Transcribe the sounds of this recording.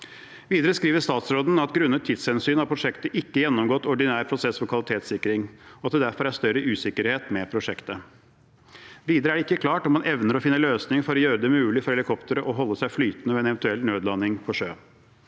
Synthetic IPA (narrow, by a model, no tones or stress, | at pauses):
ʋiːd̪əɾəskɾiːʋəst̪ɑːt̪sɾoːd̪n̩ɑt̪ɡɾʉnːət̪ʰːɪt̪sɛnsyːnhɑɾpʰɾʊʂɛkt̪əʔɪkːəjɛnːɔmɡɔt̪ːɔɖɪnæːɾpʰɾʊsɛsfɔɾkʰʋɑlɪt̪ʰeːt̪sɪkəɾɪŋɔɑt̪d̪ɛd̪æɾfɔɾæst̪œɾːəʔʉːsɪkːəɾheːt̪mɛpʰɾʊʂɛkt̪ə | ʋiːd̪əɾəæɖɛɪkːəkʰlɑːʈɔmɑnʔɛʋnəɾɔfɪnːəløːsnɪŋfɔɾɔjøːɾəd̪ɛmʉːlɪfɔɾɛlɪkʰɔpt̪əɾəʔɔɦɔlːəsæɪflyːt̪nəʋɛːnɛʋənt̪ʉɛlnøːd̪lɑnːɪŋpʰɔʂøː